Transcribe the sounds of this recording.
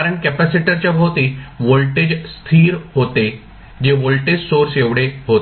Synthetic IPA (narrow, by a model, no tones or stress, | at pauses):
aɾəɳkɛpasiʈəɾt͡ɕjabʱəʋt̪iʋolʈed͡ʑst̪ʰiːɾɦot̪e | d͡ʑeʋolʈed͡ʑsoɾseʋɽeɦot̪